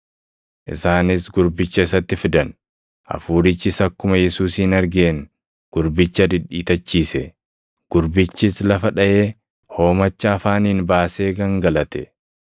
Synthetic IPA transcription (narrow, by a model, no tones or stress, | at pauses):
ʔɪ̰saːnɪsɡʊɾbɪt͡ʃːɐɪsɐt̪ːɪfɪd̪ɐn | ʔɐ̰fuːɾɪt͡ʃːɪsɐkːʊmɐjɛsuːsiːnɐɾɡeːn | ɡ̥ʊɾbɪt͡ʃːɐd̪ɪᶑiːt̪ɐt͡ʃːiːsɛ | ɡ̥ʊɾbɪt͡ʃːɪslɐfɐᶑɐʔe̞ː | ho̞ːmɐt͡ʃːɐːfaːnɪnbaːse̞ːɡɐŋɡɐlɐt̪ɛ